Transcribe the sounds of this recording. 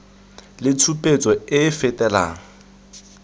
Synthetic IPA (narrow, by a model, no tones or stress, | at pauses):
lɪt͡sʰupʼet͡sʼɔɪfɛtʼɛla̰ːŋ̩